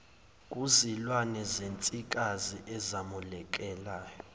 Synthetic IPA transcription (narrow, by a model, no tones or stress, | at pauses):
k̬ʼuzilwanɛzent͡sʼik̬ʼaziʔɛzamulɛk̬ʼɛlaːjɔ